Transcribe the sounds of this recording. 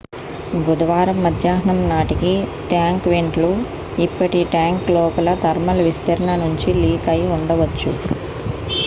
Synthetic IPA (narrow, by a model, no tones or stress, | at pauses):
bud̪ɐʋaːɾɐmːɐd̪ʱjaːɦɐɳɐmnaːʈikiʈjaːŋkʋeɳʈlu | ipːɐʈiʈjaːŋklɔːpɐlɐt̪ɐɾmɐlɐʋist̪ɐɾɐɳɐnuɲt͡ʃiliːkɐjuɳɖɐʋɐt͡ʃːu